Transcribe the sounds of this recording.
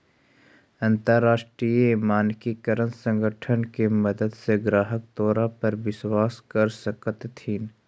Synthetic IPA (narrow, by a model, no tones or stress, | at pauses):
ɐ̃nt̪əɾːaːʃʈɾijimaːnkikəɾənsə̃ŋɡʱəʈʰənkemɐd̪əd̪seɡɾaːɦək̚t̪ɔːɾapɐɾʋɪswaːskɐɾsəkət̪ːʰiːn